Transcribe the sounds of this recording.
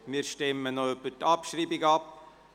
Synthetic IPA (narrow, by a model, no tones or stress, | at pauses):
miːɾʃtɛmːənoøbətɑpʃriːbiɡɑp